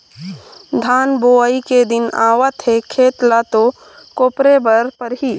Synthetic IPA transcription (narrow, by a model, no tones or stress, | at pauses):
d̪ʱaːnboːəiked̪ɪnaːwət̪ɦekʰeːt̪lat̪o | koːpɾebəɾpəɾɦi